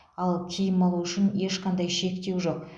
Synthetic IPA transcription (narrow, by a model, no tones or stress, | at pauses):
ɑlˠkʲʰijɪmolˠuʏʃɪnje̞ʃqʰɑnd̪ɑjʃe̞kt̪e̞wʒo̞q̚